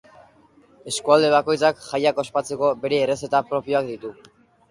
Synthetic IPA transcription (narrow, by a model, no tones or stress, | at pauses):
e̞skuald̪e̞β̞ako̞jt͡sakʝajako̞spat͡se̞ko̞be̞ɾe̞ːre̞se̞t̪apɾo̞pio̞akd̪it̪u